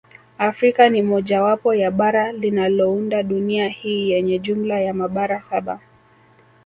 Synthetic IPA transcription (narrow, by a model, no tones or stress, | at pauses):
afɾikanimɔʄawapɔjaɓaɾalinalɔundaɗuniahiːjɛɲɛʄumlajamaɓaɾasaɓa̰